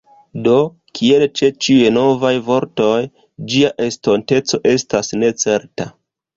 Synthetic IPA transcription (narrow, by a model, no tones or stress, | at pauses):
do̞ | kʰie̞lt͡ʃe̞t͡ʃiujeno̞vajvo̞ɾto̞j | d͡ʒiaʔe̞sto̞nte̞t͡so̞ʔe̞stasne̞t͡se̞ɾta